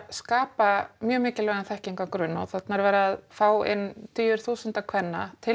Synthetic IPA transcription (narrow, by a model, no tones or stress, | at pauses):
skaːpamjœːmɪːcɪlvɛɣanθɛhciŋkakɾʏnːawθat̪naɾvɛːɾaaðfaːwɪ̰nt̪ʰyːjʏɾ̥θuːsʏnt̪akʰvɛnːa̰t̪ʰɪ